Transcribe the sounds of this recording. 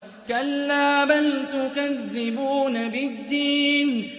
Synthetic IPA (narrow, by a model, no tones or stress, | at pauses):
kalːaːbant̪ʊkaðːɪbuːnabɪd̪ːiːn